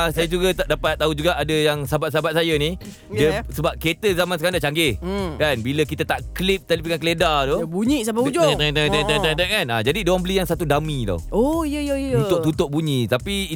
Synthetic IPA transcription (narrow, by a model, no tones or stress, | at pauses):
asajad͡ʒuɡət̪adapat̪̚ːaɦud͡ʒuɡaʔadəjaŋsabat̪̚s̬abat̪̚sajəni | diəsəbap̚ket̪əzamansəkaɾandaʔt͡ʃaŋɡekanbiləkit̪ət̪aʔklip̚t̪alip̬iŋankəledadobuɲisapat̪at̪aŋt̪at̪at̪at̪akanad͡ʒadidowaŋmbəlijaŋsat̪udamĩla̰oijəjəunt̪ʊk̪ut̪ʊʔ̚buɲĩt̪api